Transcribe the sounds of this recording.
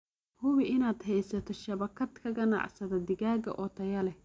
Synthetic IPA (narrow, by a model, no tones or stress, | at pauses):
hʊβɪʔɪnaːd̪hɛjsɐt̪ʰɔʃɐβɐkʰɐd̪kʰɐɣɐnɑ̰ʕsɐðɐd̪ɪɣaːɡɐ̰ʔɔt̪ʰɐjɐlɛ